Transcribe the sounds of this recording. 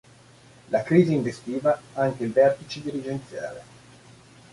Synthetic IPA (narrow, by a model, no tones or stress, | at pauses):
lakɾiːziːɱvest̪iːvaaŋk̟eilvɛrt̪it͡ʃed̪iɾid͡ʒent̪sja̰ːle